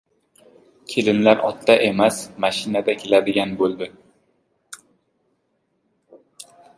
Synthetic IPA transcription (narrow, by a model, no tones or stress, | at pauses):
kʲʰelɪnlaɾʔɒt̪ːaʔemasmaʃɪnad̪akʲʰelad̪ɪɡʲanbolˠd̪ɪ